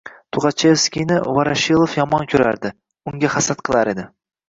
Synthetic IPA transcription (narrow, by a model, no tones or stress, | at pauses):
t̪ʰʊʁɑt͡ʃʰefskʲijnɪvaɾaʃilˠofjɒmɒnkʲʰɵɾa̰ɾd̪ɪ | ʊŋɡʲahasat̪qʰɨlˠaɾed̪ɪ